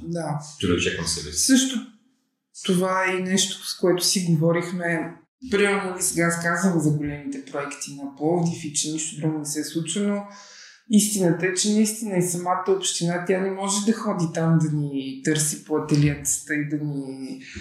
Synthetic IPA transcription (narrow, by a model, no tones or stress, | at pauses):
d̪at͡ʃ̪ɛɡɐt͡ʃɛkəmsɛbɛ̰sɤʃt̪o | t̪ovaɛnɛʃt̪o̥skoɛt̪ʊ̥siɡovɔɾixmɛ | pɾimɛlnoisɛɡaskazvəmɛzɐɡolɛmit̪ɛpɾoɛkt̪inɐpɔd̪ifit͡ʃɛniʃt̪od̪ɾuɡonɛsɛslˠut͡ʃvəno | ist̪inət̪əɛt͡ʃɛnɐist̪inəisɐmat̪əopʃt̪inat̪ʲjanɛmɔʒɛd̪ɐxɔd̪it̪amd̪ɐnit̪ɤɾsipoɐt̪ɛliɛt̪st̪əid̪ɐni